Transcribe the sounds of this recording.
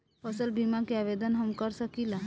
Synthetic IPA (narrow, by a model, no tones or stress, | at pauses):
pʰəsəlbimakeaʋed̪ənɦəmkəɾsəkila